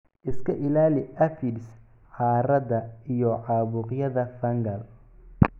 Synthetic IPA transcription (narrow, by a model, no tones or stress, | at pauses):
ʔɪskʰɐʔɪlaːlɪʔɐfids | ħɑːɾɐdɐijɔʕɑːβʊːqjɐðɐfɐŋɡɐl